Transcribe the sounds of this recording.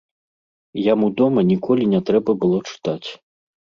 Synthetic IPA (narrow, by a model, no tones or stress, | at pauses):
jamud̪ɔmɐnʲikʰɔlʲinʲɛt̪ɾɛbɐbɨlˠɔt͡ʂɨ̥t̪at͡sʲ